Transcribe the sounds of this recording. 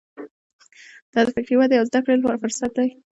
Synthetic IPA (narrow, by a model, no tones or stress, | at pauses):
d̪̥ɑd̪əfɪkɾiwad̪əjawzd̪akɽelfʊɾsat̪̚d̪aj